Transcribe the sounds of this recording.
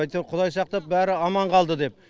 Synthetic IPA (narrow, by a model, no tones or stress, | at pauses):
ɑjt̪eqʰʊd̪ɑjsɑq̚t̪ɑp̚bæɾɪɑmɑɴqʰɑlˠd̪əd̪e̞p